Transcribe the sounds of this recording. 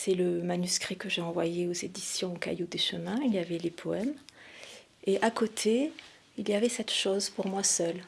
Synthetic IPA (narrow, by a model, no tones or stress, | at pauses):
sɛləmanyskχikəʒeɑ̃vwa̰jeozed̪isjɔ̃ka̰jod̪eʃəmɛ̃iljavɛlepʰɔɛm | eʔakot̪ʰe | ilijavɛsɛt̪ʃozpuʁmwasœl